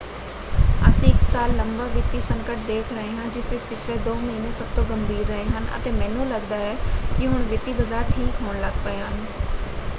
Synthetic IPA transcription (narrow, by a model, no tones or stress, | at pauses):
ə̰sĩːɪksaːlːəmbaːʋɪt̪iːsə̃ŋkəʈ̚d̪eːkʰɾəɦeːɦãːd͡ʒɪsʋɪt͡ʃpɪt͡ʃʰleːd̪oːməiːneːsəb̚t̪õːɡəmbʱiːɾːəɦeːɦənə̰t̪eːmɛ̃ːnũːləɡd̪aːɛːkɪɦʊnʋɪt̪iːbəzaːɾʈʰiːkɦoːɳləɡpəeɦən